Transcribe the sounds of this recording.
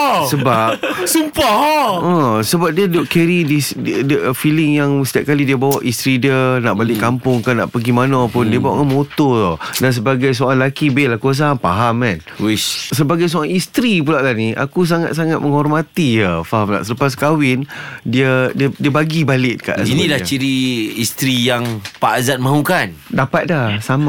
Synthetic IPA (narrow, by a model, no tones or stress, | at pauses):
səbap̚sumpaə̃səbap̚diədoʔkeɾidisdfilɪŋjaŋsə̥t̪iaʔ̚kalidiəbawaʔist̪ɾidiənaʔbalɪʔkampʊŋkanã̰ʔpəɡimanãpʊndiəbaaʔkanmot̪ɔtɔdans̬əbaɡajs̬oãŋlakibɪlakuas̬aamfaɦamːan | wiʃsəbaɡajs̬oaŋist̪ɾip̬ulaʔlahniʔa̰kus̬aŋa̰t̪̚saŋat̪̚məŋɦɔrmat̪ijəfaɦamla̰ʔsələpas̬kawɪndiədiədiəbaɡibalɪt̪̚ka̰ʔinĩlat͡ʃiɾiist̪ɾijaŋpaazat̪̚mãukandapat̪̚dahsama